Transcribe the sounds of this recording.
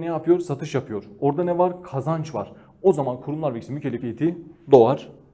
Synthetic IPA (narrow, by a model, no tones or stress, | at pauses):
nɛjapʰɯjo̞ɾsat̪ʰɯʃjapʰɯjo̞ɾoɾd̪anɛvaɾkʰazant͡ʃva̰ɾ̥ | o̞zamankʰuɾumlˠaɾvecsimycʰelʲicʲʰejt̪ʰid̪o̞aɾ̥